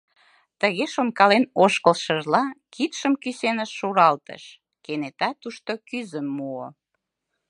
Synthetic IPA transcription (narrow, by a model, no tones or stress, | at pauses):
t̪əɣeʃonkɑlenoʃkəlʃəʒlɑkit̪ʃəmkysenəʃːuɾɑlt̪ə̰ʃ | kenet̪ɑt̪uʃt̪okyzəmːuo̰